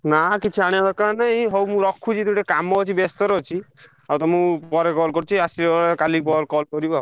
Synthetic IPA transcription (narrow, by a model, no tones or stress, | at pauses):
nakit͡ʃʰiaɽ̃jad̪ɔkanaɦĩɦɔwmũɾɔkʰut͡ʃʰit̪ũʈekamɔɔt͡ʃʰibest̪ɔɾɔt͡ʃʰi | awt̪ɔmũpɔɾekɔlkɔɾut͡ʃʰiasiɾeɔɾkalipɔɾkɔlkɔɾibau